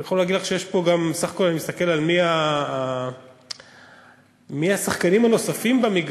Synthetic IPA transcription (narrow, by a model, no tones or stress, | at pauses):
jaχolæːɡidlaχʃejeʃpo̞ɡambesaχḁko̞lanimist̪ake̞lalmiaː | miasaχkanimano̞safimbamiɡ